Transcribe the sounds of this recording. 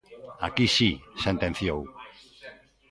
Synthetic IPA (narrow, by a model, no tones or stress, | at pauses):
akisisẽnt̪ẽn̟θjow